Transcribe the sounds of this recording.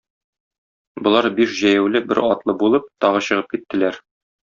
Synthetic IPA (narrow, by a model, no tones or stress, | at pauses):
bŏlˠɑɾbiʃʑæjæwlɘbɘ̰ɾɒt̪lˠɤbulˠɤp̚t̪ɒʁɤɕɤ̆ʁɤp̚kit̪ːɘ̆læɾ